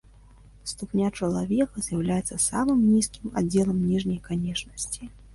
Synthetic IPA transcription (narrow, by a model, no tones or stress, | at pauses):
st̪upnʲat͡ʂɐlˠavʲɛkɐzʲjawlʲajɛt̪sːɐsamɨmnʲiskʲima̰d͡zʲːɛlˠɐmnʲiʐnʲɐjkanʲɛt͡ʂnɐsʲt͡sʲi